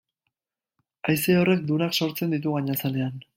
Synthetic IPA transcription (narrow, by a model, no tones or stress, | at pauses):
ajseo̞re̞k̚d̪unakso̞ɾt͡se̞nd̪it̪̬uɣaɲasale̞an